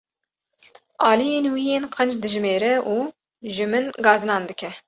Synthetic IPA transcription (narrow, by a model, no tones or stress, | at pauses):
ʔɑːlijeːnwijeːnqʰənd͡ʒd̪ɨʒmeːɾɛʔuː | ʒɨmɨnɡɑːzɨnɑːnd̪ɨkʲʰɛ